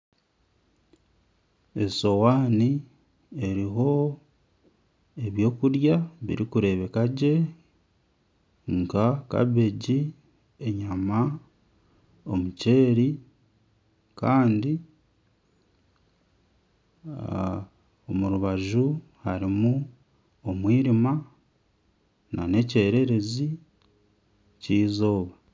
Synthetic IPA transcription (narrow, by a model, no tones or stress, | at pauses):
eso̞waːni | e̞ɾiɦo̞ | eβjo̞ːkuɾjaβḭɾikuɾe̞βe̞kaɟe̞ | ŋkaka̰βe̞ɟi | e̞ɲama | omuce̞ːɾi | kaːndi | omuɾuβaʒu | haɾimu | omwiːɾima | na̰ne̞ce̞ːɾe̞ɾe̞zi | ciːzo̞ːβa